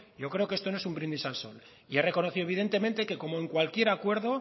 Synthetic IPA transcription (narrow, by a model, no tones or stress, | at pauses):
ɟ͡ʝo̞kɾeo̞kee̞st̪o̞noe̞sumbɾind̪isalso̞̰l | ie̞re̞ko̞noθiðoβiðe̞nt̪e̞mẽ̞nt̪e̞ke̞ko̞moeŋkwalkje̞ɾakwe̞ɾðo̞